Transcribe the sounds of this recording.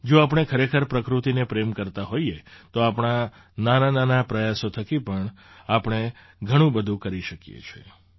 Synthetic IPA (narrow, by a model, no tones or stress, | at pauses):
d͡ʒoap̬ɳ̃ekʰəɾekʰəɾpɾəkɾut̪inepɾemkəɾt̪aɦoiet̪oapɳ̃a | nanananapɾəjasot̪ʰəkipəɳ | apəɳ̃e | ɡʱəɽ̃ũbəd̪ʱũkəɾiʃəkijḛt͡ʃʰḛ